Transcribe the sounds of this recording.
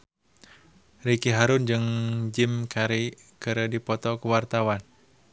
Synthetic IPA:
rikiɦaɾʊnd͡ʒɨŋd͡ʒɪmkʰaɾi | kɨɾədipɔt̪ɔkəwart̪awan

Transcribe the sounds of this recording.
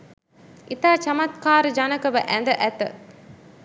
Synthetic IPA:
ʔit̪aːt͡ʃɐmɐt̪̚kaːɾəd͡ʒanɐkəʋəʔænd̪əʔæt̪ə̰

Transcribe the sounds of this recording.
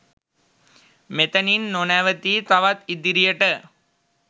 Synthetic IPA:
met̪ɐninːonæːʋət̪iːt̪aʋat̪id̪iɾijəʈə

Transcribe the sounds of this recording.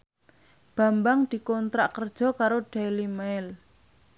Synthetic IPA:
b̥a̤mbaŋd̪̥i̤kɔnt̪ɾaʔkərd̥ʒ̥ɔ̤kaɾoɖ̥ajlimaɪl

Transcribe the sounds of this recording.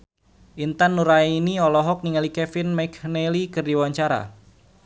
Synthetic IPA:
ʔint̪anːuɾaiiniɔlɔɦɔk̚niŋalikɛfɪnmakʰnelikɨrdiwaɲt͡ʃaɾa̰

